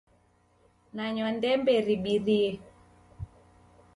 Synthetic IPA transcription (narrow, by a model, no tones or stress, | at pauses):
naɲɔndɛmbɛɾiɓiɾiɛ